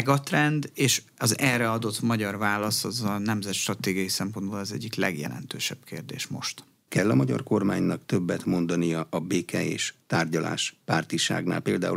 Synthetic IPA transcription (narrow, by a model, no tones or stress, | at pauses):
ɡɒt̪rɛnd̪eːʃɒzɛlrɛɒd̪o̞t̪mɒɟɒrvaːlɒsɒzɒnɛmzɛt̪ʃt̪rɒt̪eːɡijɒjisɛmpo̞nd̪boːlɛzɛ̰ɟːiklɛ̰ɡjɛ̰lɛ̰nt̪øːʃɛb̥̚kḛːrd̪eːʃmo̞̰ʃt̪ | kɛlːɒmɒɟɒ̰rko̞rmaːɲnɒkt̪øbːɛt̪mo̞nd̪ɒnijɒʔɒbeːkʰɛḛːʃt̪aːrɟɒla̰ːʃpaːrt̪iʃa̰ːɡna̰ːlpeːld̪aːu